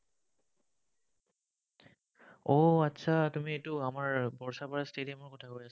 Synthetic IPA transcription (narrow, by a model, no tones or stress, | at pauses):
oatːsʰatumietʊamaɹbɔɹsapaɹastedijamɔɹkɔtʰakoɹias